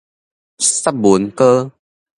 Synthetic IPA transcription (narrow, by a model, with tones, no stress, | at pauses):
sa˦˥p̚bu˨˦ənkəː˧